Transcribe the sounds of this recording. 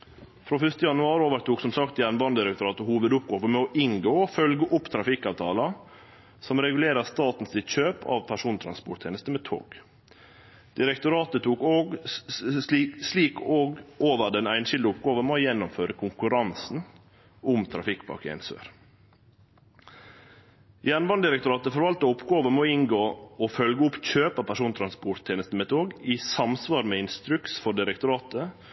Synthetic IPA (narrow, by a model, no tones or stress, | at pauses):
fɾoːfʏft̪əjɑnʉɑːɾoːʋəɾt̪ʰuːksɔmsɑkt̪jæːnʋɑnd̪ɪɾɛkt̪ʊɾɑːt̪əhuːʋəd̪ʊp̚ɡoːʋəmɛɔʔɪŋɡoːfœlɡəʔʊpt̪ʰɾɑfɪkːɑʋt̪ʰɑːlɑ | sɔmɾɛɡʉleːɾəst̪ɑːt̪n̩sɪt̪c͡çøːpʰɑ̰ʋpʰæʂuːnt̪ʰɾɑ̰nspɔʈ̚t̪ʰeːnəst̪əmɛt̪ʰo̰ːɡ | d̪̥ɪɾɛkt̪ʊɾɑːt̪ət̪ʰuːkoːɡ | sliːkoːɡoːʋəɖɛnæɪnʃɪld̪əʊpɡɑːʋəmɛojɛnːʊmføːɾəkʰʊŋkʉɾɑnsn̩ | ʔʊmt̪ʰɾɑfɪkbɑ̰kɪɛ̰ɪnsø̰ːɾ | jæɳʋɑnd̪ɪɾɛk̚t̪ʊɾɑːt̪əfɔɾʋɑlt̪əʊpɡɑːʋəmɛoɪŋɡoːofœlɡəʊpçøːpɑpʰæʂuːnt̪ʰɾɑnspʊʈt̪ʰːeːnəst̪əmɛt̪ʰoːɡiːsɑmsʋɑːɾmɛːɪnst̪ɾʉksfɔɖɪɾɛk̚t̪ʊɾɑːt̪ə